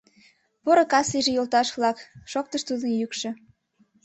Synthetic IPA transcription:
poɾokɑsiʒĕjolt̪ɑʃvlɑkʃok̚t̪ə̆ʃt̪ud̪ə̆njykʃĕ

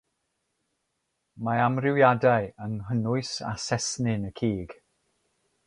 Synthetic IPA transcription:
maamrɪwjadajənɦənʊɨsa̰sɛsnɪnəkʰiːɡ̥

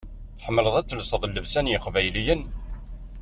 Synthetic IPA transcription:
θəħəmːələðˤæt͡sːəlsəðˤlːəvsænjəqvæjlijən

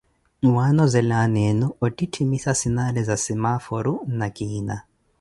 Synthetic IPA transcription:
wanɔzɛlanenuɔtʼitʰimisasinalɛzasimafɔɾunakʼiːna

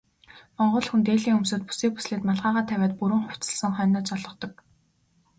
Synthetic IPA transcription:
mɔɴɢʊːɮxunt̪eːɮiːŋɵmsoːt̪̚pu̥siːk̚pu̥sɮeːt̪maɮʁaːʁaːt̪ʰæwʲæːt̪̚puɾwɘ̆ŋχʊw̥t͡sə̥̆ɮsə̆ŋχœːnaːt͡ɕɔɮʁɞ̆qt̪ɞ̆k

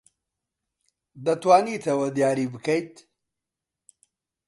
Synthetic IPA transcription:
d̪ɐt̪waːnit̪ʰɐwɐd̪jaːɾibɨkʰɐjt̪

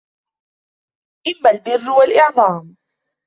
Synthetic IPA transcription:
ʔɪmːalbɪrːwalʔɪʕðˤɑːm

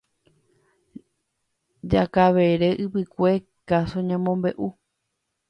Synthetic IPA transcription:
d͡ʒakaʋeɾeʔɨpɨkʷe̞ | kasoɲãmõmbe̞ʔu

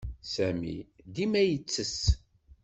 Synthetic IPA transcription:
sæmḭd̪imæjət͡sːəs

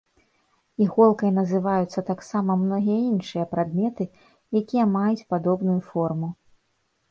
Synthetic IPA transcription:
iɣɔlˠkɐjnɐzɨvajut̪sːɐt̪aksamɐmnɔɣʲijɐinʂɨjɐpɾad̪̚mʲɛt̪ɨ | jakʲijɐmajut͡sʲpad̪ɔbnujufɔrmu

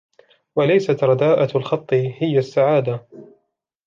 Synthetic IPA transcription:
walajsat̪ɾˤɑd̪aːʔalxɑt̪ˤːɨhɪjasːaʕaːd̪a

